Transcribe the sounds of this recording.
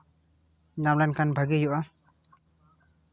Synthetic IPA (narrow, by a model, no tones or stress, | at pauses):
namlajnkʰanbʱaɡejɔʔa